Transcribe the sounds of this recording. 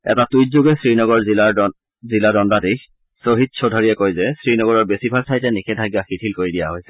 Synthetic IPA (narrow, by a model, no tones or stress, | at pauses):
ɛ̰tatujtzuɡɛsɹinɔɡɔɹzia | ziladɔndatekx | soɦit̚sʰodʱaɹiɛkojzɛsɹinɔɡɔɹɔɹbesibʱaltʰajtɛnixɛdʱaɡjaxitʰilkoɹidijaɦojsɛ